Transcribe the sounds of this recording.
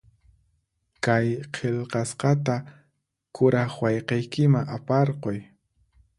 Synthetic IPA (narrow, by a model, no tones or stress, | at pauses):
kajqʰeʎqɑsqɑt̪a | kʊɾɑχwɑjqejkɪmaŋapɑɾqoj